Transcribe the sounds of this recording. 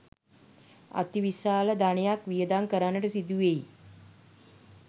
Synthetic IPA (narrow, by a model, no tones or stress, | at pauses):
a̰t̪iʋisaːləd̪anejakʋijəd̪aŋkəɾanːəʈəsid̪uʋei